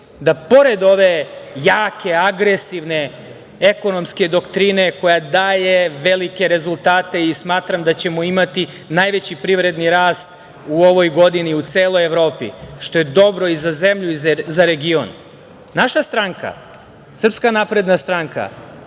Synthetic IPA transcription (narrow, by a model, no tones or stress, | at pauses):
d̪apo̞ɾe̞d̪o̞ʋe̞jaːke̞aɡɾe̞siʋne̞ | eko̞no̞mske̞d̪o̞kt̪ɾine̞ko̞jad̪aːje̞ʋe̞like̞ɾe̞zulˠt̪aːt̪e̞ismaːt̪ɾamd̪at͡ɕe̞moimat̪i | najʋe̞t͡ɕipɾiʋɾe̞d̪niɾaːst̪ | uo̞ʋo̞jɡo̞d̪iniut̪seːlˠo̞jeʋɾoːpḭʃt̪o̞je̞d̪o̞bɾo̞izaze̞mʎuizaɾe̞ɡio̰nː | aʃast̪ɾaŋka̰ | sr̩pskanapɾe̞d̪nast̪ɾaŋka̰